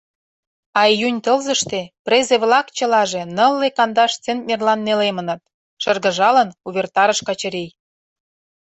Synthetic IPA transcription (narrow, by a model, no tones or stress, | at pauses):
ɑjynʲt̪ə̆lzə̆ʃt̪eprezeβlɑkt͡ɕə̆lɑʒe̽nə̆lːekɑnd̪ɑʃt͡sent̪̚mʲerlɑnːelemənɤ̆t̪̚ | ʃərɣə̆ʒɑlə̆nuβʲert̪ɑɾə̆ʃkɑt͡ɕə̆ɾej